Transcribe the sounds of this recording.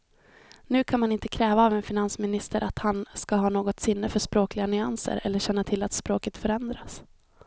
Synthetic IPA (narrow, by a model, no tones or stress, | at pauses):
nʉ̟ːkʰanmanɪnt̪ə̥kʰɾɛːvaːvɛnfɪnansmɪnɪst̪əɾʔat̪hanskaɦɑːnoːɡɔt̪sɪnːəfœʂpɾoːklɪɡanʏansə̰ɾɛ̰lːəɕɛnːat̪ʰɪlːat̪spɾoːkət̪fœɾɛnd̪ɾas